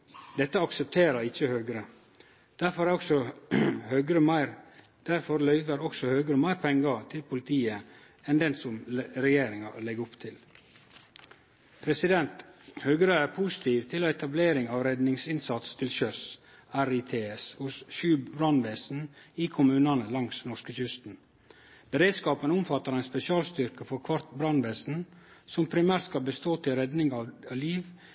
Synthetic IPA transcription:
d̪ɛt̪ːəɑksəp̚t̪ʰeːɾəɾɪt͡ʃːəhøːɡəɾə | d̪̥æɾfɔɾæɾɔksɔhøːɡəɾəmæɪɾ | d̪̥æɾfɔɾlœʏʋəɾɔksɔhøːɡəɾəmæɪɾpʰɛŋɡɑt̪ʰɪlpʰʊlɪt̪ʰiːə | ɛnd̪ɛnsɔmɾɛjeːɾɪŋɑlɛɡʊpt̪ʰɪl | pʰɾɛsɪd̪ɛnt̪hœɡəɾəæɾpʰusɪ̥t̪ʰiːʋt̪ʰɪloːɛt̪ʰɑbleːɾɪŋɑːʋɾɛd̪nɪŋsɪnsɑt̪st̪ʰɪlʃœs | æɾit̪ʰeːɛshʊsʃʉːbɾɑnʋɛːsn̩ɪkʰʊmʉːnɑnəlɑŋsnɔɾʂkəçʏst̪n̩ | b̥əɾeːd̪skɑːpənʊmfɑt̪ːəɾɛɪnspɛsɪɑːlst̪ʏɾkəfɔɾkʰʋɑɾt̪bɾɑnʋɛːsn̩ | sɔmpʰɾɪmæːɾt̪skɑlbəst̪oːt̪ʰɪlɾɛd̪nɪŋɑliːʋ

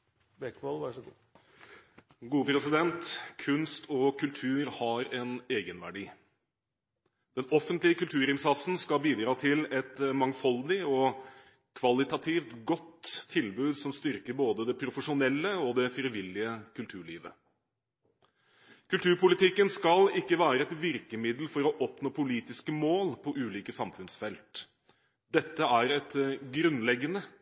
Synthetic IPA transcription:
bɛkʋɔlʋɑʂɡ | ɡuːəpʰɾɛsɪd̪ɛnt̪kʰʉnst̪ʰɔkʰʉlt̪ʰʉːɾhɑɾɛneːɡənʋæ̰ɖḭː | d̪̥ɛnɔfənt̪lɪəkʉlt̪ʰʉːɾɪnsɑt̪sn̩skɑbiːd̪ɾɑːt̪ʰɪlɛt̪mɑŋfɔld̪ɪɔ | kʰʋɑlɪt̪ɑt̪ʰiːft̪ɡɔt̪ʰːɪlbʉːd̪sɔmst̪ʏɾkəɾboːd̪əd̪ɛpʰɾʊfəʂʊnɛlːəɔd̪ɛfɾɪʋɪlːɪəkʰʉlt̪ʰʉːɭḭːʋə̰ | kʉlt̪ʰʉːɾpʊlɪt̪ɪkːənskɑlɪkːəʋæːɾəɛt̪ʋɪɾkəmɪd̪l̩fɔɾɔʔɔpnoːpʊliːt̪ɪskəmoːlpʰɔʔʉːliːkəsɑmfʉnsfɛlt̪ | d̪ɛt̪ːəæɾɛt̪ɡɾʉnlɛɡːənə

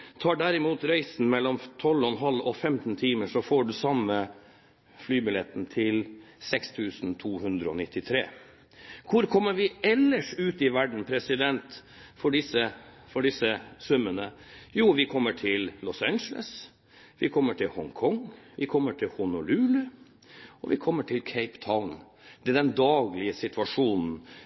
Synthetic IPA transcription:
t̪ʰɑːɖæɾɪmuːt̪ɾæɪsn̩mɛlːɔmt̪ʰɔlɔnɦɑlːɔfɛmt̪n̩t̪ʰiːməʂɔfoːɖʉsɑmːə | flyːbɪlɛt̪ːn̩t̪ʰɪlsɛkst̪ʰʉːsnt̪ʰuːhʉnd̪ɾəɔ̰nɪt̪ːɪt̪ʰɾḛː | kʰʊɾkʰɔmːəɾʋɪɛlːəʂʉːt̪ɪʋæɖɳ̩pʰɾɛsɪd̪ɛnt̪ | fɔɖɪsə | fɔɖɪsəsʉmːənə | juːʋɪkʰɔmːəʈʰɪlːɔsænd͡ʒəlʔə̰s | ʋɪkʰɔmːəʈʰɪlhɔŋkʰɔŋʋɪkʰɔmːəʈʰɪlhʊnʊlʉːlʉ | ɔʋɪ̰kʰɔmːəʈʰɪlkʰæɪpt̪ʰɑʊn | d̪̥ɛd̪ɛnd̪ɑːɡlɪəsɪt̪ʋɑʂuːnn̩

